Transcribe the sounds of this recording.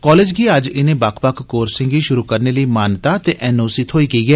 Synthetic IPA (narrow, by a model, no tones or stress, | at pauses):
kɔːleːd͡ʒɡiːəd͡ʒɪnẽːbakʰbəkʰkoːɾsɪ̃ŋɡiːʃʊɾuːkəɾneːləiːmaːnt̪aːt̪eːʔɛːnoːsɪt̪ʰɦoːiːkiiːɡɛː